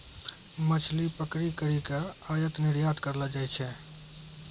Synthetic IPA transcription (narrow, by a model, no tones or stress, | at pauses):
mət͡ʃʰlipəkɾikəɾikeajət̪nɪɾjad̪kəɾləd͡ʒajt͡ʃʰɛ